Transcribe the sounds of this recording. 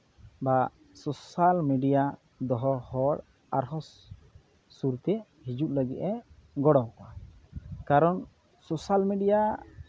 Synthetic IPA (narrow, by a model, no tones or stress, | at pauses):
ba | sosalmeɖija | d̪ɔɦɔhɔɽ | aɾɦɔsː | uɾt̪ɛ | hid͡ʒuʔləɡḭʔ̪ɛɡɔɽawkɔa | kaɾɔn | sosalmiɖija